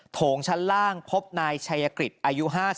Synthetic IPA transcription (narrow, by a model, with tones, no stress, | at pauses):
t̪ʰoː˩˦ŋt͡ɕʰa˦˥nlaː˥˩ŋpʰo˦˥p̚naː˧jt͡ɕʰaː˧ja˧kɾi˨˩t̪̚ʔaː˧ju˦˥ɦaː˥˩